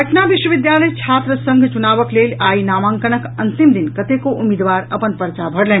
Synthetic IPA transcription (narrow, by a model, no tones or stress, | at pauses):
əʈʰnabiʃwəʋid̪jaləjt͡ʃʰat̪ɾəsə̃ŋɡʱt͡ʃunabəklelʲajnaːmãŋkənəkənt̪imd̪inkət̪ekoʔumid̪ʋaɾə̰pənpəɾt͡ʃabʱəɽlɛ̃